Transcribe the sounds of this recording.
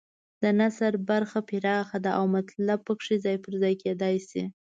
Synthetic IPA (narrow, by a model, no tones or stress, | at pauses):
d̪̥ənasaɾbaɾxapiɾɑxad̪aʔawmat̪lab̚pəkʂizɑjpəɾzɑjked̪ɑjsi